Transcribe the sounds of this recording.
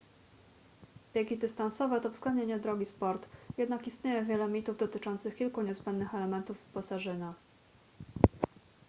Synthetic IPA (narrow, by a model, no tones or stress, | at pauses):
b̥ʲjeɡʲid̪ɘst̪ansɔvɛt̪ɔvz̥ɡlɛnd̪ɲeɲɛd̪ɾɔɡʲispɔɾt̪jɛd̪nakist̪ɲejɛvʲjɛlɛmʲit̪uvd̪ɔt̪ɘt͡ʂɔnt̪sɘxkʲilkuɲɛzbɛnd̪nɘxɛlɛmɛnt̪ufpasaʐɘna